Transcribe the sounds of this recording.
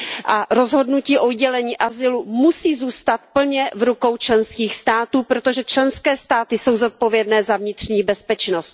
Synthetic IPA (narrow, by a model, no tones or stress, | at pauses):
ʔaɾo̞zɦo̞dnuciːʔo̞ɟɛlɛɲiːʔazɪlumusiːzuːst̪at̪̚pl̩ɲɛvɾuko̞wt͡ʃlɛnskiːxst̪aːt̪uːpɾo̞t̪o̞ʒɛt͡ʃlɛnskɛːst̪aːt̪ɪso̞wzo̞t̪̚po̞vjɛdnɛːzavɲɪt̪r̝̥ɲiːbɛspɛt͡ʃnost̪